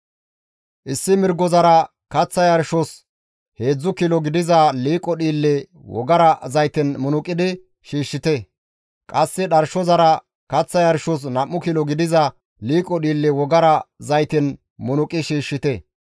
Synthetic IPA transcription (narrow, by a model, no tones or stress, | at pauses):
ʔɪsːɪmɪɾɡɔzɐɾɐ | kɐt͡sːɐjɐɾʃɔs | he̞ːd͡zːʊkilɔɡɪd̪ɪzɐliːkʼːɔɗiːlːɛ | wɔ̰ɡɐɾɐzɐjt̪ɪnmʊnʊkʼːɪd̪ɪ | ʃiːʃːɪt̪ɛ | kʼɐsːɪɗɐɾʃɔzɐɾɐ | kɐt͡sːɐjɐɾʃɔs̬nɐmːʊkilɔɡɪd̪ɪzɐ | liːkʼːɔɗiːlːɛwɔɡɐɾɐzɐjt̪ɪn | mʊnʊkʼɪʃiːʃːɪt̪ɛ